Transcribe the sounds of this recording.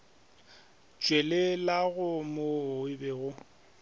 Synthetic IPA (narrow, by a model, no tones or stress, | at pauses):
t͡ʃʼwelelaɣʊmoɪbɛɣʊ